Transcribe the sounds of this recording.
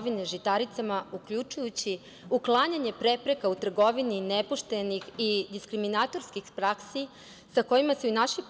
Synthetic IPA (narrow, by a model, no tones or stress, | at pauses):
ʋineʒit̪aɾit̪samaukʎut͡ʃujut͡ɕi | uklˠaɲaɲe̞pɾe̞pɾe̞kaut̪r̩ɡo̞ʋininepuʃt̪e̞nixid̪iskɾiminat̪o̞ɾskixpɾaksi | sako̞jimaseunaʃip